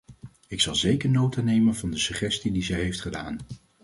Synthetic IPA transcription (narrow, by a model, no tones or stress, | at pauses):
ɪksɑlˠzejkəɹnowtanejmənvɑndəsyχɛstidizɛjɦejftχəda̰ːn